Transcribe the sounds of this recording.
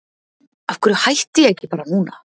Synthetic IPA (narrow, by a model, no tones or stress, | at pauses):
afkʰʏɾʏhajht̪ɪjɛɛcːɪpaːɾanuːna